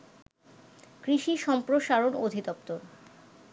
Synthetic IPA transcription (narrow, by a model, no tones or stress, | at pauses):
kɾiʃiʃɔmpɾoʃaɾonod̪ʱid̪ɔpt̪oɾ